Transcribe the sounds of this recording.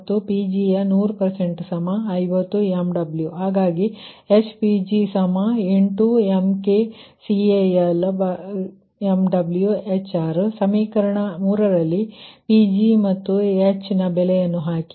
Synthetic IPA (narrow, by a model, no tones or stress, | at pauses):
t̪ːupid͡ʒijɐnuːɾupɐɾseɳʈsɐmɐɐjʋɐt̪ːuemɖɐbljuɦaːɡaːɡi | et͡ʃpid͡ʒisɐmɐeɳʈuemkesieɐlb | emɖɐbljuet͡ʃaːɾsɐmiːkɐɾɐɳɐmuːɾɐɾɐlːipid͡ʒimɐt̪ːuet͡ʃnɐbɛlejɐnːuɦaːki̥